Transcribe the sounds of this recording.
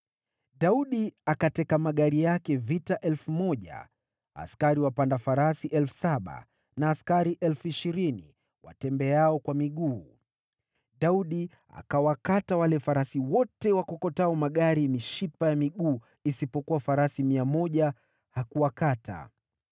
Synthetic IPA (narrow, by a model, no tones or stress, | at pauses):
ɗauɗiakatɛkamaɠaɾijakɛvitaʔɛlfumɔʄa̰ | a̰skaɾiwapandafaɾasiʔɛlfu̥saɓa̰ | naːskaɾiʔɛlfuiʃiɾinḭ | wa̰tɛmbɛaɔkwamiɠuː | ɗauɗi | a̰kawakatawalɛfaɾasiwɔtɛwakɔkɔtaɔmaɠaɾimiʃipajamiɠuː | isipɔkuwafaɾasimiamɔʄa | hakuwakata̰